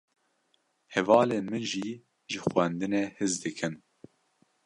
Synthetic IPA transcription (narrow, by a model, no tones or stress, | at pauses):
hɛvɑːleːmɨʒi | ʒɨxwɛnd̪ɨnehɨzd̪ɨkʰɨn